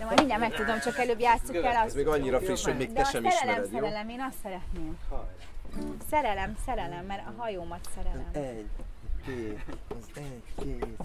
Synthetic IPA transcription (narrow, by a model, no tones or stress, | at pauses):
d̪ɛmɒjjmiɲdɛmɛk̚t̪ud̪omt͡ʃɒkɛløːbjaːt̪suɛlɒzmeːɡɒɲːiɾɒfriʃhoɟmeːkd̪ɛʃɛmːɛɾɛlɛmsɛɾɛlɛmeːnɒst̪sɛɾɛt̪neːm | sɛɾɛlɛmsɛɾɛlɛmːɛɾɒɦɒjoːmɒt̪sɛɾɛɛmɛɟkeːɒzɛɟkeːt̪